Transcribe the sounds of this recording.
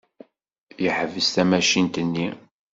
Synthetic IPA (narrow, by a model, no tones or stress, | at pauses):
jəħvəst̪æmæʃint̪ənːi